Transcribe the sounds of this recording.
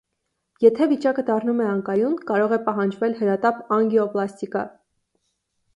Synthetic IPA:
jɛt̪ʰɛvit͡ʃɑkəd̪ɑrnumɛɑŋkɑjunkɑɾɔʁɛpɑɦɑnd͡ʒvɛlhəɾɑt̪ɑpɑŋɡiɔplɑst̪ikɑ̰

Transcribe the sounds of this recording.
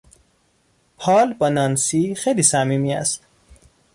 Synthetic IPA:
pʰɒːlbɒːnɒːnsiːxejliːsæmiːmiːæ̰st̪

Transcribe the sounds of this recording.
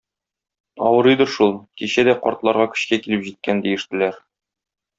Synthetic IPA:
ɒ̰wɤ̆ɾɤjd̪ɤɾʃulˠkiɕæd̪æqɒ̰ɾt̪lˠɑɾʁɑkɵ̥̆ɕkækilɘpʑit̪̚kænd̪ijɘ̆ʃt̪ɘ̆læɾ

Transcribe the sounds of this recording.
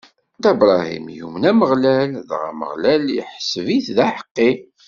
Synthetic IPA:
d̪æbɾˤɑhḭmjṵmənæməʁlælðʁæ̰mə̰ʁlæljə̰ħsviθðæħə̥qːi

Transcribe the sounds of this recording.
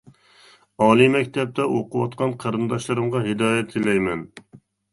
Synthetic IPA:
ɑːlˠimɛkʲt̪ʰɛp̚t̪ʰɛʔoqʊwɑt̪̚qʰɑnqʰɑɾɨnd̪ɑʃlˠɨɾɨmʁɑɦɪd̪ɑːjɛt̪ʰːɪlɛjmɛn

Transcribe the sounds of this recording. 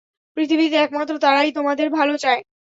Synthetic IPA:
pɾit̪ʰibit̪̬eɛk̚mat̪ːɾot̪aɾajt̪omad̪eɾbʱalot͡ɕae

